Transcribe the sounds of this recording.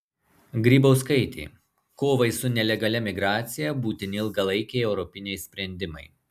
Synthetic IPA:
ɡɾʲiːbɐʊskɐɪt̪ʲḛː | koːʋɐɪsʊnʲɛlʲɛɡɐlʲɛmʲɪɡɾɑːt̪sʲɪjɛbuːt̪ʲɪnʲɪɪlˠɡɐlˠɐɪkʲɛɪɛʊɾɔpʲɪnʲɛɪsʲpʲɾʲɛnʲd̪ʲɪmɐɪ

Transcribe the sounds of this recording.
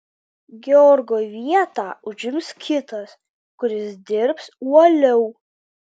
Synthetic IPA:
ɡʲɛɔɾɡoːʋʲiɛt̪ɑːʊʒʲɪmskʲɪt̪ɐs | kʊɾʲɪsd̪ʲɪɾpsuɔlʲɛʊ

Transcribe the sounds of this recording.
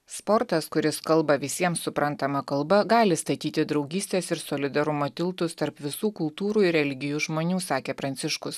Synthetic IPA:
spɔɾt̪ɐskʊɾʲɪskɐlˠbɐʋʲɪsʲiɛmsʊpɾɐnt̪ɐmɐkɐlˠbɐɡɑːlʲɪst̪ɐt̪ʲiːt̪ʲɪd̪ɾɒʊɡʲiːsʲt̪ʲeːsɪɾsoːlʲɪd̪ɐɾʊmot̪ʲɪlˠt̪ʊst̪ɐɾpʋʲɪsuːkʊlˠt̪uːɾuːɪɾʲɛlʲɪɡʲɪjuːʒmoːnʲuːsɑːkʲeːpɾɐnʲt̪sʲɪʃkʊs

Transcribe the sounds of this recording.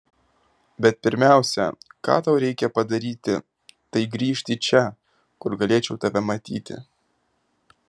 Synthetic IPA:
bʲɛt̪̚pʲɪɾʲmʲæˑʊsʲɛ̰kɑ̰ːt̪ɐʊɾʲɛɪkʲɛpɐd̪ɐɾʲiːt̪ʲɪ | t̪ɐɪɡɾʲiːʃʲt̪ʲit͡ʃʲɛ | kʊɾɡɐlʲeːt͡ʃʲɛʊt̪ɐʋʲɛmɐt̪ʲḭːt̪ʲɪ̰

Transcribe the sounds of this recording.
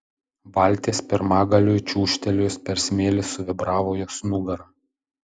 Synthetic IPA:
bɑˑlʲˑt̪ʲeːspʲɪɾmɑːɡɐlʲʊːjt͡ʃʲuːʃʲt̪ʲɛlʲoːspʲɛɾʲsʲmʲeːlʲɪsʊʋʲɪbɾɑːʋoːjoːsnuɡɐɾɐ

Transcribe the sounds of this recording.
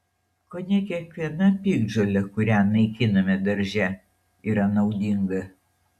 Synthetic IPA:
koːnʲɛkʲiɛkʋʲiɛnɐpʲiːɡd͡ʒolʲɛkʊɾʲænɐɪkʲɪnɐmʲɛd̪ɐɾʲʒʲɛ | iːɾɐnɐʊd̪ʲɪŋɡɐ

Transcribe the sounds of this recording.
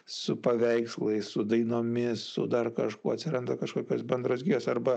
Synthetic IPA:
sʊpɐʋʲɛɪkslˠɐɪssʊd̪ɐɪnoːmʲɪssʊ̰d̪ɐrkɐʃkṵːɐt̪ʲsʲɪɾɐnd̪ɐkɐʃkoːkʲoːsbʲɛnd̪ɾoːsɡʲiːjoːsɐrbɐ

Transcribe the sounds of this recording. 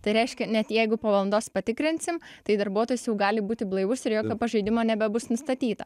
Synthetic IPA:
t̪ɐɪɾʲɛɪʃʲkʲɛnʲɛt̪jɛɪɡʊpoːʋɐlˠnd̪oːspɐt̪ʲɪkɾʲɪnʲsʲɪmt̪ɐɪd̪ɐrbuɔt̪oːjʊsjɛʊɡɑːlʲɪbuːt̪ʲɪblˠɐɪʋʊsɪɾjoːkʲoːpɐʒɐɪd̪ʲɪmoːnʲɛbʲɛbʊsnʊst̪ɐt̪ʲiːt̪ɐ

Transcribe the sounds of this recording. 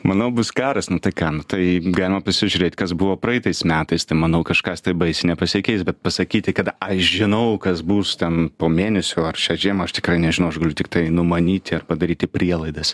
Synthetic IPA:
mɐnɐʊbʊskɑːɾɐsnʊt̪ɐɪkɑːnʊt̪ɐɪɡɑːlʲɪmɐpɐsʲɪʒʲʊɾʲeːt̪ʲkɐsbʊʋoːpɾɐɛt̪ɐɪsmʲæːt̪ɐɪst̪ɐɪmɐnɐʊkɐʃkɑst̪ɐɪbɐɪsʲɪnʲɛpɐsʲɪkʲɛɪsbʲɛt̪̚pɐsɐkʲiːt̪ʲɪkɐt̪ɐʃʒʲɪnɐʊkɐsbuːst̪ʲɛnpoːmʲeːnʲɛsʲʊːɐrʃʲæːʒʲeɛmɐɐʃt̪ʲɪ̥kɾɐɪnʲɛʒʲɪnɐʊɐʃɡɐlʲʊt̪ʲɪkt̪ɐɪnʊmɐnʲiːt̪ʲɪɐrpɐd̪ɐɾʲiːt̪ʲɪpʲɾʲiɛlˠɐɪd̪ɐs

